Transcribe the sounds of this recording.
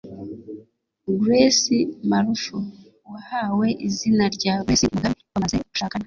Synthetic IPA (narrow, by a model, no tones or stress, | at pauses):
ɡɾesimaɾufu | wahawe̞ʔizinaɾɟaːɡesimuɡamiwamazeuʃaːkana